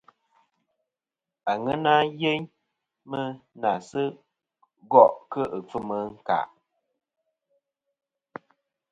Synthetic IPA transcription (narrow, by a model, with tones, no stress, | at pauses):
a˨ŋə˦na˦je˦ɲ | mə˦na˨sɨ˦ | ɡɔ˦ʔkə˦ʔə˨p͡fɨ˦mə˨˦ŋ̩˦ka̰˦˨ʔ